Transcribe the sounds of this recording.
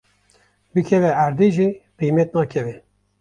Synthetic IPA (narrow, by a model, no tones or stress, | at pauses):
bɨkʰɛvɛæɾd̪eːʒiqimɛt̪̚nɑːkʰɛvɛ